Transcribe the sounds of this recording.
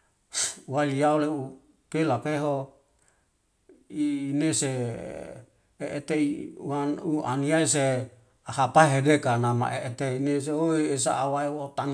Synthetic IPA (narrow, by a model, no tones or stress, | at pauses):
waliaoleu | pelapeɦo | iːnese | eʔet̪eiaua̰niais̬e | aɦapaeɦedekanama̰ʔeʔet̪eines̬eoiesa̰ːwaewot̪an